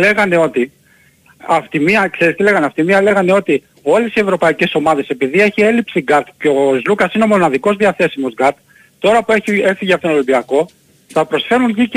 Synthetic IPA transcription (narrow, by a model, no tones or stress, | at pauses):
le̞ɣɐne̞o̞t̪i | ɐft̪imiɐkseɾist̪ile̞ɣɐneɐft̪imiɐle̞ɣɐne̞o̞t̪i | o̞le̞sie̞vɾo̞pɐice̞so̞mɐðe̞se̞piðie̞çie̞lipsiɡɐt̪ceozlukɐsineo̞mo̞nɐðiko̞zðiɐθe̞simozɡɐt̪̚ | t̪o̞ɾɐpueçie̞fiʝeɐft̪onolimbiɐko̞ | θɐpɾo̞sfe̞ɾunʝic